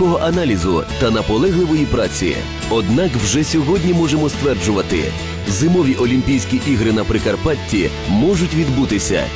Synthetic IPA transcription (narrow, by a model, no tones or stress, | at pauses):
ɔɦɔʔɐnɑlʲizʊ̰t̪ɐnɐpɔlˠɛɦlˠɪʋɔjipɾɑt͡sʲḭ | ɔd̪nɑkwʒɛsʲɔɦɔdʲnʲimɔʒemɔst̪ʋɛrd͡ʒʊʋɐt̪ɪ̰ | zɪmɔʋʲiʔɔlʲimʲpʲijsʲkʲiʔiɦɾɪnɐpɾɪkɐrpɑtʲːi | mɔʒʊtʲʋʲid̪but̪ɪsʲɐ̰